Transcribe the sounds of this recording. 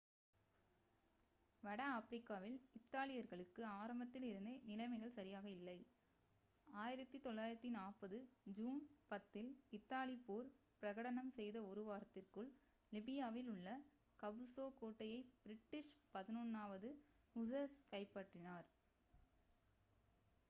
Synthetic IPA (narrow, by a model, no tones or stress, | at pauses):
ʋɐɽɐafɾɪkːaːʋɪlɪt̪ːaːlɪjɐɾɣɐɭɯkːɯaːɾɐmbɐt̪ːɪlɪɾɯnd̪ɐnɪlɐɪmɐɪɣɐɭsɐɾɪjaːɣɐɪlːɐɪ | aːjɪɾɐt̪ːit̪ɔɭːaːjɪɾɐt̪ːinaːpɐðɯd͡ʒuːnpɐt̪ːɪlɪt̪ːaːlɪpoːɾ | pɪɾɐɣɐɽɐnɐmsɛjðɐɔɾɯʋaːɾɐt̪ːɪrkɯɭ | lɪbɪjaːʋɪlʊɭːɐ | kɐbɯsoːkoːʈːɐjɐɪb̥ɪɾɪʈːɪʂpɐðɪnɔnːaːʋɐðɯ | ʊsɐskɐɪpːaʈrɪnaːɾ